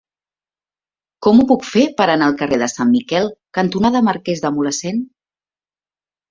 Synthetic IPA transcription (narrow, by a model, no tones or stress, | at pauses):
kɔmupukfepəɾənaːlˠkəreðəsamːikɛlˠkənt̪unaðəməɾkezðəmuləsen